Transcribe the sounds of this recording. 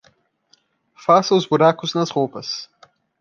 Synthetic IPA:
fasɐwzbuɾakuznɐzʁopɐs

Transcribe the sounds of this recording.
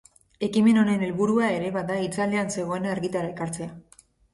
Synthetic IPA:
e̞kime̞no̞ne̞nelβuɾuae̞ɾe̞βaðait͡sale̞anse̞ɣo̞e̞naeɾɣit̪aɾae̞kaɾt͡se̞a

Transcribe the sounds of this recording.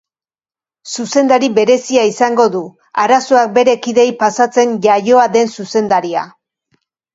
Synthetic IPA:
suse̞nd̪aɾiβe̞ɾe̞siaisaŋɡo̞ðu | aɾaso̞ak̚be̞ɾe̞kiðe̞jpasat͡se̞nʝajo̞aðe̞nsuse̞nd̪aɾia̰

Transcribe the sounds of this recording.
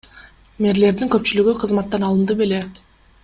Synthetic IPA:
me̞ɾle̞ɾd̪iŋkøp̚t͡ʃylyɡyqʰɯzmɑt̪ːɑnɑlˠɯnd̪ɯpe̞le

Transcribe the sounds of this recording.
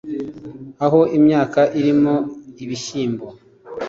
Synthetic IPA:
aɦo̞ʔimɲaːkaʔiɾimoiβiʃiːmbo

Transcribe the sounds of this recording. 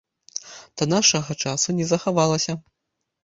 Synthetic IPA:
d̪̥ɐnaʂɐɣɐt͡ʂasunʲɛzɐxavalˠɐsʲɐ

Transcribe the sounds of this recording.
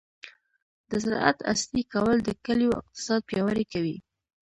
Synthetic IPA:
d̪əzɪɾ̰ʔa̰t̪a̰st̪ikawəld̪əkəljoɪ̰q̚t̪ɪ̥sɑd̪̚pjɑwaɾekawi

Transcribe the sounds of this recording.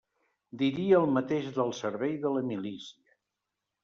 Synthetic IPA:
d̪iɾiəːlˠmət̪eʒðəlˠsəɾβɛjðələmilisiə

